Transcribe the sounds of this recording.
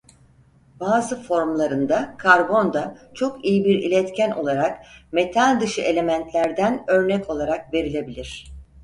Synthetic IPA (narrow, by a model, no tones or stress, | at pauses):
b̥aːzɯfo̞ɾmlˠaɾɯnd̪akʰaɾbo̞nd̪at͡ʃʰo̞kijibiɾḭlʲɛt̪cʰæno̞̰lˠaɾakme̞t̪ʰalʲd̪ɯʃɯe̞lʲe̞mænt̪lʲæɾd̪ænø̞ɾnɛcʰo̞lˠaɾak̚ve̞ɾilʲe̞bilʲiɾ̥